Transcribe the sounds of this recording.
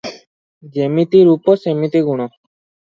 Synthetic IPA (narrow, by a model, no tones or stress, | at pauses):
d͡ʒemit̪iɾupɔsemit̪iɡuɽ̃ɔ